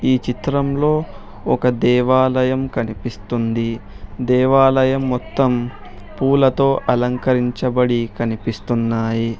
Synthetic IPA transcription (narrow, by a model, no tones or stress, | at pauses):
iːt͡ʃit̪ɾɐmlo̞ː | ɔkɐd̪ɛːʋaːlɐjɐmkɐnipist̪und̪i | d̪ɛːʋaːlɐjɐmːɔt̪ːɐm | puːlɐt̪o̞ːʔɐlɐŋkɐɾiɲt͡ʃɐbɐɽikɐnipist̪unːaːji